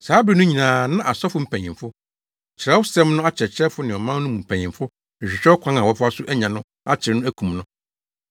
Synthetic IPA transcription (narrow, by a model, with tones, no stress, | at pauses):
saː˨˦bɾi˨˦nʊ̃˦ɲĩ˨nãː˨nã˦ʔa˨sɔ˦fʊ˦m̩˨pʰæ̃˨ɲɪ̃˨fʊ˦ | t͡ɕʰɪ˨ɾɛ˦wʊ˦sɛ̃˦mnʊ̃˦a˦t͡ɕʰɛ˨t͡ɕʰɾɛ˦fʊ˦nɪ̃˨ɔ˨mã˦n˦nʊ̃˦mũ˨m̩˨pʰæ̃˨ɲɪ̃˨mfʊ˦˨ | ɕᶣɪ˨ɕᶣɛ˦kʰã˦ŋã˨wɔ˨˦fʊ˦a˦sʊ˦ʔæ˦ɲã˨nʊ̃˦ | a˦t͡ɕʰɪ˨ɾnʊ̃˦æ˦kʰũ˨mnʊ̃˦